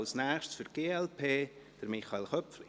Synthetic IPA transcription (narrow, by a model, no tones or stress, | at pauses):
ʊsnæːχʃsfʏɾɡ̥eːɛlpʰeː | d̥əɾmɪχɑɪlχœpf